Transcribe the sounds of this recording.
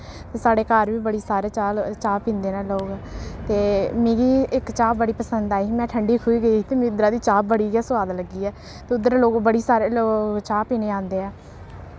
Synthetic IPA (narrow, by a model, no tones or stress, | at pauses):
t̪eːsaːɽeːkaːɾʋiːbəɽiːsaːɾeːt͡ʃaːt͡ʃaːpĩːnd̪eːnaːloːɡt̪eːmĩːɡiːʔɪkt͡ʃaːpbəɽiːpəsənd̪aːimɛ̃ːʈʰəɳɖiːkʰuːiːɡəiːt̪eːmĩʊd̪əɾaːd̪iːt͡ʃaːp̚bəɽiːɡaːsʊʋaːd̪ləɡiːɛː | t̪eːʊd̪əɾloːɡbəɽiːsaːɾeːloːt͡ʃaːpiːneːãːnd̪eːɛː